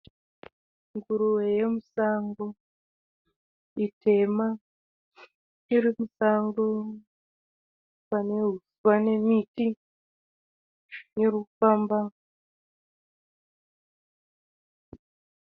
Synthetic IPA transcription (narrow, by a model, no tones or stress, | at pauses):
ŋɡuɾuwejemusaŋɡo | itʰe̞ma | iɾimusaŋɡo | pane̞ɦuswane̞miti | neɾufaːmba